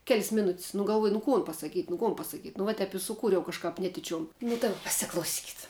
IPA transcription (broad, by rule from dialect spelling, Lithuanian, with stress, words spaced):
kʲɛlʲsʲ ˈmʲɪˌnʊtʲsʲ nʊ ɡɐlˠˈʋuɔj nʊ ˈkoːn pɐsɐˈkʲiːtʲ nʊ ˈkoːn pɐsɐˈkʲiːtʲ nʊ ˈʋɐ ˈtʲɛp ɪ sʊˈkuːrʲɛʊ kɐʃˈkɐp ˈnʲæːtʲɪt͡ʃʲoːm nʊ dɐˈbɐ pɐsʲɪklˠɐʊˈsʲiːkʲɪt